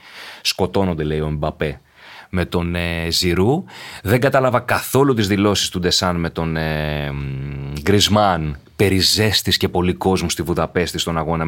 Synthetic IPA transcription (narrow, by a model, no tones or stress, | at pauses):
sko̞t̪o̞no̞nd̪e̞le̞io̞embɐpe̞ | me̞t̪o̞neziɾuðe̞ŋɡɐt̪ɐlɐvɐkɐθo̞lut̪̬izðilo̞si̥st̪ud̪e̞sɐnme̞t̪o̞ne | ɡɾizmɐn | pe̞ɾize̞st̪isce̞po̞liko̞zmust̪ivuðɐpe̞st̪ist̪o̞nɐɣo̞nɐ